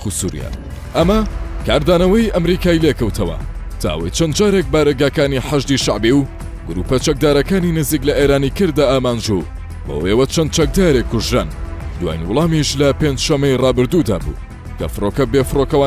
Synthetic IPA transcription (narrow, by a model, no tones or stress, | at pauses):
usṵɾ̰a̰ | ʔɐmɐkaːɾd̪aːnɐwɐjʔɐmɾikaːilekɐwt̪ʰɐwɐ̰ | t̪ʰa̰ːʔwɐ̰jt͡ʃɐnd̪d͡ʒaːɾek̚baːɾɐɡaːkaːniħaʒd̪iʃaʕbiw | ɡ̥ʊɾuːpɐt͡ʃɐk̚d̪aːɾɐkaːninɨziklɐʔeɾaːnikɨɾd̪aːʔaːmaːnd͡ʒu | bo̰ʔeːwɐt͡ʃʰɐn̚t͡ʃɐk̚d̪aːɾeːkːʊʒɾa̰ːnd̪wa̰jnwʊlˠɑːmiʃlɐpeːnd͡ʒʃɐmːɐjrɑːbɨɾd̪ud̪a̰ːbṵ | kɐ̰fɨrokɐbefɨrokɐwa